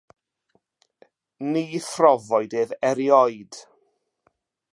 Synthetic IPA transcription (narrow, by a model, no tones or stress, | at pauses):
niːθrɔvɔɨdeːðɛɾjɔɨd̥